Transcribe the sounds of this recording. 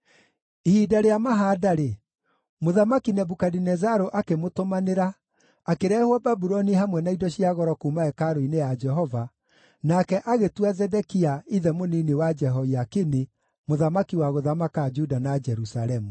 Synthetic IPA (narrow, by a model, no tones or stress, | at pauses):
ihidaɾeamaɦaːdaɾe | moðamakinɛbukadinɛzaɾoʔakemotomaneɾa | akeɾɛːhwababuɾɔniɦamwɛnaidɔɕiaɣɔɾɔkuːmaɛkaɾoinejad͡ʒɛɦɔva | nakɛʔaɣetwazɛdɛkiaiðɛmoninewad͡ʒɛɦɔiakini | moðamakiwaɣoðamakad͡ʒudanad͡ʒɛɾusaɾɛmu